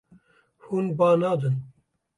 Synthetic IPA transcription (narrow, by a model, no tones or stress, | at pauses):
huːnbaːnaːd̪ɨn